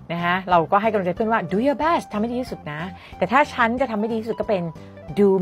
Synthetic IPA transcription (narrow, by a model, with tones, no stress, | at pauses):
na˦˥kʰa˦˥ɾa˧wkɔː˥˩a˥˩jka˧lt͡ɕa˧˥pʰɯ˥˩ə˨waː˥˩duː˧jɔ˧bɛ˥˩st̪ʰːa˧ma˥˩di˧i˥su˨˩t̪̚na˦˥ | t̪ɛː˨˩t̪ʰaː˥˩t͡ɕʰa˦˥nt͡ɕa˨˩t̪ʰmːa˥˩jdi˧i˥u˨˩t̚kːɔ˥˩pe˧n | duː˧